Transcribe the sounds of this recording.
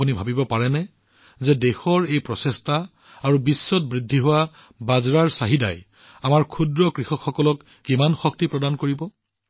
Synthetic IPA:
unibʱabibɔpaɹɛnɛ | zɛdexɔɹejpɹɔsestaː | ɹubisːɔt̚bɹidʱːiɦʊwa | bazɹaɹsaɦida̰j | amaɹkʰudɹɔkɹixɔkxːɔkɔlɔkːimanxɔk̚tipɹɔdankoɹibɔ

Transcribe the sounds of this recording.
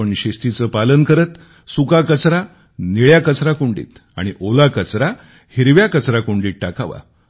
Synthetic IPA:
əɳɕest̪it͡səːpalənkəɾət̪ | sukakət͡sɾa | niɭjakət͡sɾakuɳɖḭːt̪ | a̰ɽ̃iʔolakət͡sɾa | hiɾʋjakət͡sɾakuɳɖiːʈakaʋa̰

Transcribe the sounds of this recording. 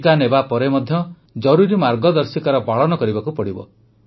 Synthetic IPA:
kanebapɔɾemɔd̪ʱjɔ | d͡ʒɔɾuɾimaɾɡɔd̪ɔɾsikaɾɔbaɭɔnɔkɔɾibakupɔɽibɔ̰

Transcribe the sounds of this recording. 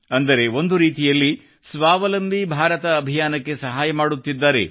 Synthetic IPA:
ɐnd̪ɐɾe̞o̞nd̪uɾiːt̪ijɐlːi | sʋaːʋɐlɐmbʱibʱaːɾɐt̪ɐːbʱijaːnɐkːe̞sɐɦaːjɐmaːɽut̪ːid̪ːaːɾe̞̰

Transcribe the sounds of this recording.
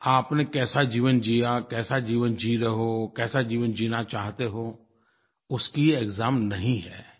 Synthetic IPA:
aːpnekɛːsad͡ʒiːʋənd͡ʒiːjakɛːsad͡ʒiːʋənd͡ʒiɾɐɦokɛːsad͡ʒiːʋənd͡ʒiːnat͡ʃaːɦt̪eɦoː | ʊskieekzaːmnɐɦĩɦɛː

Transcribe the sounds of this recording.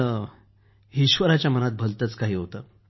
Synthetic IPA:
ɦiɕʋəɾat͡ɕjamənat̪̚bʱəlt̪ət͡skaɦiːɦot̪ə

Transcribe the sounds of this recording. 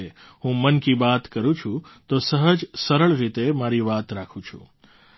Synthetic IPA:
e | ɦũmənkibat̪kəɾũt͡ʃʰũt̪osəɦəd͡ʒsəɾəɭɾit̪emaɾiʋat̪ɾakʰũt͡ʃʰṵ̃

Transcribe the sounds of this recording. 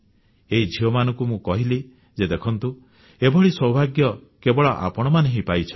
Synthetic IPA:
eɦid͡ʒʱiɔmanɔ̃ŋkumũkɔɦili | d͡ʒed̪ekʰɔnt̪u | ebɔɭisɔwbʱaɡjɔ | kebɔɭɔʔa̰pɔɽ̃ɔmaneɦĩpajt͡ʃʰɔ

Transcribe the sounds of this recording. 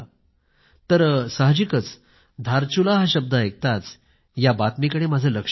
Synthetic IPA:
t̪əɾsaɦəd͡ʑikət͡s | d̪ʱaɾt͡ɕulaɦaɕəb̚d̪aek̚t̪at͡s | jabat̪mikəɽemad͡zʱəːləkʂ

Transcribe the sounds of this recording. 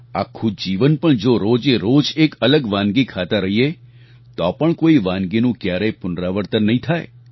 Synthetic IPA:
a̰kʰːud͡ʒiʋənpəɳd͡ʒoɾod͡ʒeɾod͡ʒekələɡʋãnɡikʰat̪aɾəɦie | t̪ɔpəɳkoiʋãnɡinũkjaɾepʊnɾaʋəɾt̪ənːəɦĩt̪ʰae

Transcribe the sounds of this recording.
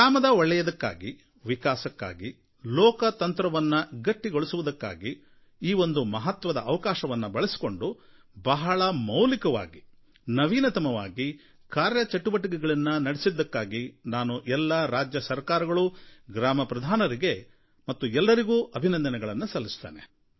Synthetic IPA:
aːmɐd̪ɐɔɭːɛjɐd̪ɐkːa̰ːɡi | ʋikaːsɐkːa̰ːɡi | lɔːkɐt̪ɐnt̪ɾɐʋɐnːɐɡɐʈːiɡoɭusuʋud̪ɐkːa̰ːɡi | iːo̞nd̪umɐɦɐt̪ʋɐd̪ɐʔːʋɐkaːʃɐʋɐnːɐbɐɭesi̥ko̞ɳɖu | bɐɦɐɭɐmɐwlikɐʋa̰ːɡi | nɐʋiːnɐt̪ɐmɐʋa̰ːɡi | kaːɾjɐt͡ʃɐʈːuʋɐʈ̬ik̬ɛɡɐɭɐnːɐnɐɽesid̪ːɐkːaːɡinaːnuʔɛlːɐɾaːd͡ʒjɐsɐɾkaːɾɐɡɐɭuɡɾaːmɐpɾɐd̪ʱaːnɐɾiɡe̞ | mɐt̪ːuɛlːɐɾiɡuːʔɐbʱinɐnd̪ɐnɛɡɐɭɐnːusɐlːisu̥t̪ea̰ːne

